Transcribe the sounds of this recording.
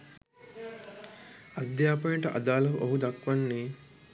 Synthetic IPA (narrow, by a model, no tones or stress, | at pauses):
ɐd̪jaːpɐiɳʈɐʔɐ̰d̪aːlɐɦuʔoɦud̪ɐkʋɐnːiː